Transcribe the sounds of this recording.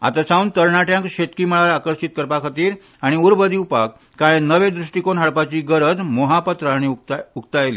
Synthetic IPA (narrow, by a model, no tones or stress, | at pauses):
a̰t̪asãunt̪əɾɳaʈjãŋkɕet̪kiːməɭalakəɾsit̪̚kəɾpakʰət̪iːɾ | aɽ̃iuɾbəd̪iupakːajenəʋed̪ɾuʂʈikonɦaɭpat͡ɕiːɡəɾəd͡zmoɦapət̪ɾəañiukt̪ajlḭː